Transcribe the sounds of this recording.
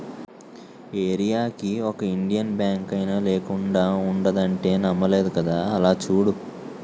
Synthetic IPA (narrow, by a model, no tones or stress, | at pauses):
eːɾijaːkiɔkɐiɳɖijɐnbjaːŋkɐjnaleːkuɳɖaːuɳɖɐd̪ɐɳʈe̞ːnɐmːɐle̞ːd̪ukɐd̪aːɐlaːt͡ʃuːɽu